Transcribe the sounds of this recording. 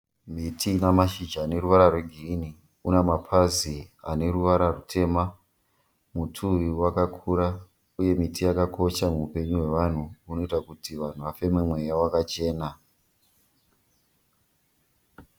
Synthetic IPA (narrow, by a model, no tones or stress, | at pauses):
mitʰinamaʃid͡ʒaːne̞ɾuʋaɾarweɡʱiini | unamapʰazia̰ne̞ruʋaɾarutʰe̞ːma | mutʰuiwakakʰuɾa | uje̞mitʰijakakʰo̞ʃamuːpe̞ɲuɦwe̞ʋan̤uːno̞itakutiʋan̤uʋafe̞memwe̞jawakat͡ʃe̞ːna